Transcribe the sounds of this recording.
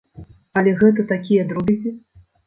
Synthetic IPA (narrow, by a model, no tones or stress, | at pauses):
ɐlʲɛɣɛt̪ɐt̪akʲijɐd̪ɾubʲizʲi